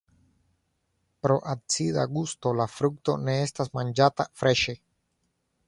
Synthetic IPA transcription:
pɾoʔat̪siða̰ɣust̪olafɾuk̚t̪o̰neest̪asmãnd͡ʒat̪afɾeʃe

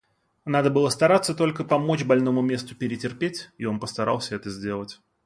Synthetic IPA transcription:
nad̪əbɨlˠəst̪ɐɾat̪sːət̪o̞lʲkəpɐmo̞t͡ɕbɐlʲno̞mʊmʲe̞st̪ʊpʲɪɾʲɪtʲɪrpʲetʲio̞npəst̪ɐɾa̰lˠsʲəɛt̪əzʲdʲe̞lˠətʲ

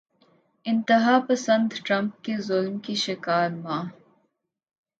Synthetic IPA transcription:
ɪ̃nt̪ɪɦaːpɐsə̃nd̪ʈɾɐ̃mp̚kezʊlmkiʃɪkaːɾmãː

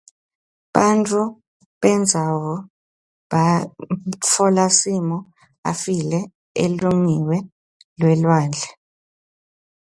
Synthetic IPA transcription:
ɓantʰʼu | ɓɛnd͡zʱawɔ | ɓa | t͡fʰɔlasimɔ | a̰filɛ | ḛluŋiwɛ | lwɛlwaːnd͡ɮʱa

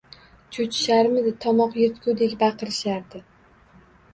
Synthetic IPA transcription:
t͡ʃʰʊt͡ʃʰɪ̥ʃaɾmɪd̪ɪt̪ʰɒmɒqjeɾt̪kʰʲud̪ekʲbɑqɨɾɪʃaɾd̪ɪ

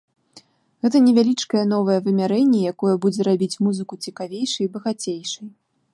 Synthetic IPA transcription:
ɣɛt̪̬ɐnʲɛvʲalʲit͡ʂkɐjɐnɔvɐjɐvɨmʲaɾɛnʲːɛjakɔjɐbud͡zʲɛɾabʲit͡sʲmuzɨkut͡sʲikavʲejʂɨjbɐɣat͡sʲejʂɨj

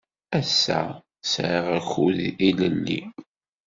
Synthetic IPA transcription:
æsːæ̰ | sɾaʁæçuðiləlːḭ

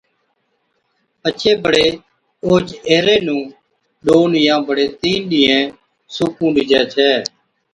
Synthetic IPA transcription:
ət͡ʃʰeːbəɽeː | oːd͡ʒeːɾeːnũː | ɗoːnjãːbəɽeːt̪iːnɗɪːɛ̃ː | suːkũːɗiːd͡ʒɛːt͡ʃʰɛː

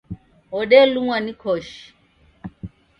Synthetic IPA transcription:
ɔɗɛluŋwanikʰɔʃi

